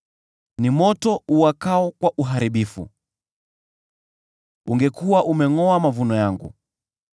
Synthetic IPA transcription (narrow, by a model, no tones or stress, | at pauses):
nimɔtɔuwakaɔkwaʔuɦaɾiɓifṵ | ṵŋɡɛkuwaʔumɛŋɔamavunɔjaŋɡṵ